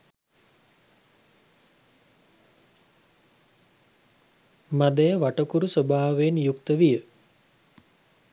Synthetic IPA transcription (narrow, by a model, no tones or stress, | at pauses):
mad̪əjəʋaʈəkuɾusobaːʋenjukt̪əʋijə